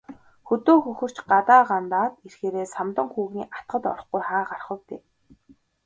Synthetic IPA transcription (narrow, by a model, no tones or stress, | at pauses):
xɵt̪oːxɵxɵ̆r̥t͡ɕɢat̪aːɢant̪aːt̪erxeːɾeːsamt̪ə̆ŋxuːɣniːʔat̪̚ɢə̆t̪ɔ̰ɾɞ̆χɡujχaːɢarχə̆wt̪eː